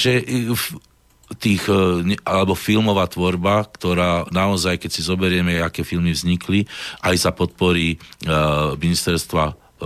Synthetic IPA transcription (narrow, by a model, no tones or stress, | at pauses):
ʒɛf | t̪iːxɲɛalɛbɔfilmɔʋaːt̪ʋɔɾbakt̪ɔɾaːnaɔzajkɛcsizɔbɛɾɪɛmɛakɛːfilmivzɲikliʔajsapɔt̪̚pɔɾiː | minist̪ɛɾst̪ʋa